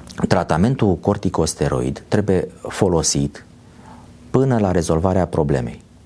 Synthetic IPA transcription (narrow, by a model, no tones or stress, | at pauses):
t̪ɾat̪ame̞nt̪uko̞rt̪iko̞st̪e̞ɾo̞̰ḭd̪ːɾe̞buje̞fo̞lo̞sit̪ | pɨnəlaɾe̞zo̞lvaɾeapɾo̞ble̞me̞̰j